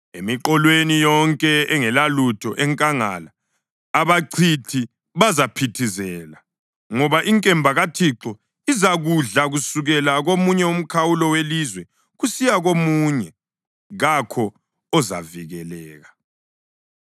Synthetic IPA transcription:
emiǃɔlwenijɔŋkʼɛɛŋɛlalutʰɔʔɛŋkʼaŋa̰laː | βaǀʰitʰi | βazapʰitʰizɛːla | ŋɔβaʔiŋkʼɛmbʱaɣatʰiǁɔ | izaɣuɮaɣusuɣɛlaɣomuɲɛum̩kʰawulɔwelizwɛ | ɣusijaɣomuɲɛ | ɣakʰɔː | za̰viɣɛlɛːɣa

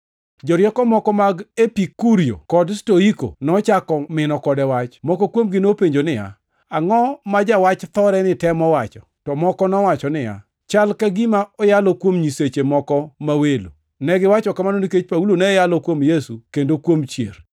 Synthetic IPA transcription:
d͡ʒɔɾjɛkɔmɔkɔmaɡepikuɾio̰kɔdstoiko̰nɔt͡ʃakɔmɪnɔkɔdɛwat͡ʃmɔkɔkwomɡɪnopeɲd͡ʒonɪja̰ | aŋɔmad͡ʒawat͡ʃt̪ɔɾɛnɪtɛmɔwat͡ʃɔ̰tɔmɔkɔnɔwat͡ʃɔnɪja̰ | t͡ʃalkaɡimaɔjalɔkwomɲiset͡ʃemɔkɔmawelo̰ | nɛɡɪwat͡ʃɔkamanoniket͡ʃpaulonɛjalɔkwomjesukendokwomt͡ʃjḛr

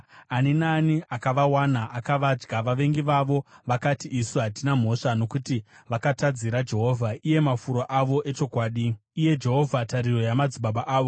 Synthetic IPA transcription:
aninaniakaʋawanaakaʋad͡ʒɡaʋaʋe̞ŋɡiʋaʋo̞ʋakatiʔisuɦatinam̤o̞ʂano̞kutiʋakatad͡ziɾad͡ʒe̞ɦo̞ːvʱaije̞mafuɾoʔaʋo̞ʔe̞t͡ʃo̞kwaːɗiije̞d͡ʒe̞ɦo̞vʱataɾiro̞jamad͡ziɓaɓaʔaːʋo̞

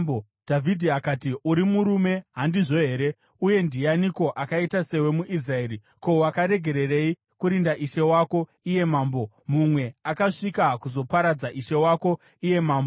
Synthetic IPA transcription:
o | dʱavʱidʱiakaːtiuɾimuɾume̞ɦandiʐo̞ɦe̞ːɾe̞ | uje̞ndijaniko̞ʔakaitase̞we̞muʔis̬rae̞ːɾi | ko̞wakaɾe̞ɡʱe̞ɾe̞re̞i | kuɾindaʔiʃe̞wako̞ | ije̞maːmbo̞ | mumwe̞akaʂikakuzo̞paɾad͡zaʔiʃe̞wako̞ | ije̞maːmbo

